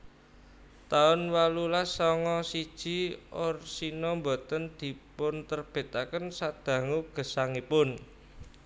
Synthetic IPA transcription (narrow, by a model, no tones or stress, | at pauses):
t̪aʊnwalulasɔŋɔsid̥ʒ̥i̤ɔrsinɔmbo̤t̪ənd̪̥i̤pʊnt̪ərb̥e̤t̪akənsad̪̥ä̤ŋuɡ̥ə̤saŋipʊn